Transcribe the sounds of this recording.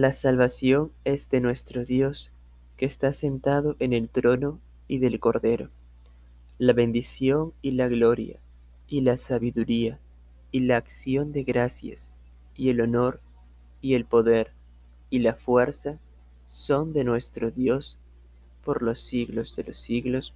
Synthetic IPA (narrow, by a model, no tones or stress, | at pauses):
lasalβasjo̞ŋe̞zðe̞nwe̞st̪ɾo̞ðjo̞s | ke̞ːst̪ase̞nt̪að̞o̞ʔene̞lt̪ɾo̞no | iðe̞lko̞ɾðe̞ɾo | laβe̞nd̪isjo̞ŋilaɣlo̞ɾja̰ | ilasaβiðuɾia | ilaːksjo̞nd̪e̞ɣɾasja̰s | ie̞lono̞ɾ | ie̞lpo̞ðe̞ɾ | ilafwe̞ɾsa | so̞nd̪e̞nwe̞st̪ɾo̞ðjo̞s | po̞ɾlo̞sːiɣlo̞zðelo̞sːiɣlo̞s